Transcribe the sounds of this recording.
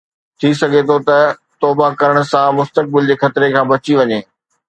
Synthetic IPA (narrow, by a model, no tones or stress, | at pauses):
t̪ʰisɐɡʱet̪ʰot̪ɐt̪ɔːbakɐɾəɽ̃̆sãmʊst̪ək̚bɪld͡ʑeːxɐt̪ɪɾekʰãːbɐt͡ɕiʋɐɲeː